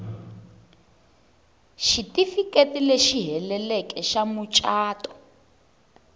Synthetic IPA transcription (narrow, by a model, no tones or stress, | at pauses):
ʃitifiketileʃiɦɛlɛlɛkʼɛʃamut͡ʃʼaːtɔ̥